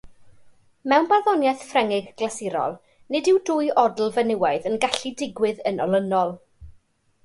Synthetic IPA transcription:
mɛwnbarðɔnjɛθfrɛŋɪɡɡ̥lasɪɾɔ̰lˠ | nɪdɪwdʊɨʔɔdl̩ˠvənɪwaɨðənɡaɬidɪɡwɪðənɔ̰lˠənɔlˠ

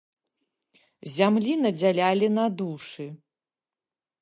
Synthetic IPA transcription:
zʲamlʲinɐd͡zʲalʲalʲinad̪uʂɨ

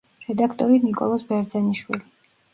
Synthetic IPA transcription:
ɾɛd̪akʰt̪ʼɔɾinikʼɔ̰lˠɔsbɛɾd̪zɛniʃwili

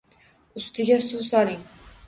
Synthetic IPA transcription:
ʊst̪ɪɡʲasʊsɒlɪŋ

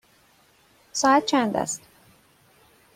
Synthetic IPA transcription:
sɒːæt̪̚t͡ʃʰænd̪æ̰st̪

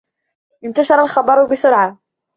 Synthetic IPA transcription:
ʔɪmt̪aʃɑɾˤɑlxɑbɑɾˤʊbɪsʊɾʕa

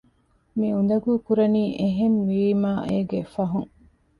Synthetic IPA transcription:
miun̆d̪ɐɡuːkuɾɐniːʔeɦemʋiːmaːʔeːɡefɐɦuŋ

